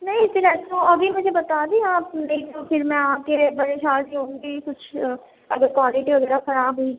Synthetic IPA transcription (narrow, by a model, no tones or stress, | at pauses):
nɐĩɪsilɛːoːəɡiːmʊd͡ʒʱebət̪aːd̪iːɦãːeːkt̪opʰɪɾmɛ̃ːaːkebəɾeːʃaːɾiːɦõːŋɡiːkʊt͡ʃʰ | əɡəɾkwaːlɪʈiːʋəɡɛːɾaxəɾaːbɦoi